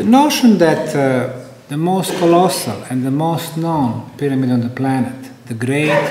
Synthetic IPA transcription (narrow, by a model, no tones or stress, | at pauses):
ənoʊʃə̃nd̪æt̪ | ðəmoʊstkʰɔlɔsə̰lɛ̃nðəmoʊstnõʊ̃npɪɾamidɔ̃nðəplænət̪ðəɡɾeɪt